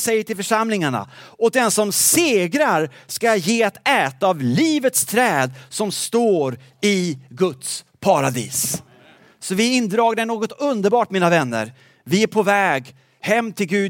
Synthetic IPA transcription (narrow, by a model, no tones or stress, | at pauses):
sɛjːəʈʰɪlfœʂamlɪŋaɳa̰ɔk̚d̪ɛnsɔmseːɡɾaɾskajeːat̪ɛːt̪aːvliːvət̪st̪ʰɾɛːd̪sɔmst̪oːɾ | ɪɡɵt̪s | pʰaɾad̪ḭːs | sɔvɪɪnd̪ɾɑːɡd̪ɛnoːɡɔt̪ɵnd̪əɾbɑːʈmiːnavɛnːə̰ɾ | vɪæɾpʰɔvɛːɡ | hɛmːt̪ʰɪlɡʉ̟ː